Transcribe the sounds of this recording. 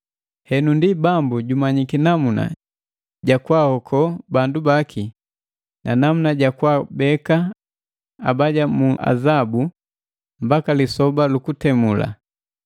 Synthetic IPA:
hɛnundibambuɟumaɲikinamuna̰ | ɟakwahɔkʰɔbandubakʰi | nʔanamunaɟakwabɛka | abaɟamuʔa̰zabu | mbakalisɔbalukutɛmula̰

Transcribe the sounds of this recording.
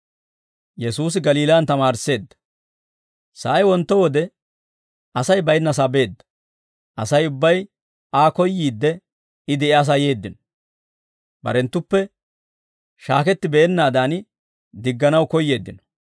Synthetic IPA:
jɛsuːs̬ɪɡɐliːlaːnt̪ɐmaːɾse̞ːd̪ːɐ̥ | sɐʔɐjwɔnt̪ːɔwɔd̪ɛ | ʔɐsɐjbɐjnːɐs̬ɐbe̞ːd̪ːɐ̥ | ʔɐ̰sɐjʊbːɐj | ʔaːkɔjːiːd̪ːɛ | ɪd̪ɛɛɐs̬ɐje̞ːd̪ːɪnɔ̥ | bɐ̰ɾɛnt̪ːʊpːɛ | ʃaːkɛt̪ːɪbɛːnːaːd̪an | d̪ɪɡːɐnɐwkɔjːe̞ːd̪ːɪnɔ̥

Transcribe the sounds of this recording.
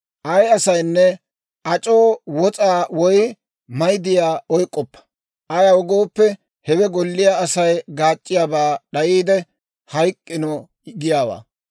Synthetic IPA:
ʔɐjɐsɐjnːɛ | ʔɐt͡ʃʼo̞ːwɔt͡sʼaːwɔj | mɐjd̪ɪjaːɔjkʼːɔpːɐ̥ | ʔɐjɐʊɡo̞ːpːɛ | hɛbɛɡɔlːɪjaɐsɐjɡaːt͡ʃʼːɪjaːbaːɗɐjiːd̪ɛ | hɐjkʼːɪnɔ | ɡɪjaːwa̰ː

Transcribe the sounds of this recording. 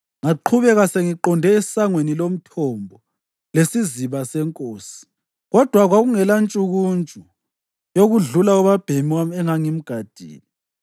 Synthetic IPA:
ŋaǃʰuβɛɣaseŋiǃɔndʱɛisaŋwenilom̩tʰɔmbʱɔ | lesiziβasɛŋkʼoːsi̥ | ɣɔd̥ʱwaɣwaɣuŋɛlant͡ʃʼuɣunt͡ʃʼu | joɣuɮulaɔβab̥ʱemiwamɛŋaŋim̩ɡ̥ʱad̥ʱḭːni

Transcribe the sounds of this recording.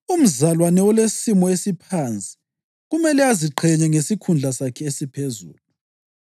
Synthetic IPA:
um̩zalwanɛɔlesimɔesipʰant͡sʼi̥ | ɣumɛlɛaziǃʰɛɲɛŋesikʰund͡ɮʱasakʰɛesipʰezṵːlu

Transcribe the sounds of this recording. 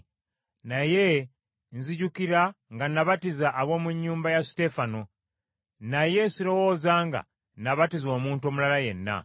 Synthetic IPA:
naje̞ | nziɟukiɾaŋɡanaβatizaʔːβwo̞ːmuɲːuːmbajaste̞fano̞ | naje̞siɾo̞wo̞ːzaːŋɡa̰ | naβatizo̞ːmuːntuo̞mulalaje̞nːa̰

